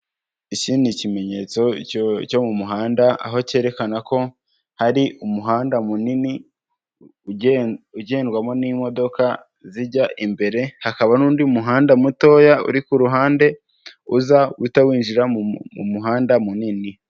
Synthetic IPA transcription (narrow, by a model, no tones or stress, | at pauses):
icinicime̞ɲe̞ːt͡so̞co̞mumuɦaːndaa̰ɦo̞ce̞ːɾe̞kanako̞ | haɾiʔumuɦaːndamunini | uɟe̞ːnɡwamo̞niːmo̞do̞ka | ziɾɟaʔimbe̞ɾe̞hakaβanuːndiumuɦaːndamuto̞ːjaṵɾikuɾuɦaːnde̞ | uzawitawiːnʒiɾamumṵmuɦaːndamunini